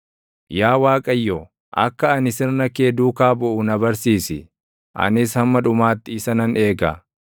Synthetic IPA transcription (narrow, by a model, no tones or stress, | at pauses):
jaːwaːkʼɐjːɔ | ʔɐ̰kːɐːnɪsɪɾnɐkeːd̪uːkaːbɔʔʊnɐbɐɾsiːsɪ | ʔɐ̰nɪshɐmːɐᶑʊmaːt̪ːɪɪsɐnɐne̞ːɡɐ